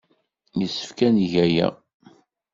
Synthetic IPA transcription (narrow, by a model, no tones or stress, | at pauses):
jəsːə̥fkænʝæjæ̰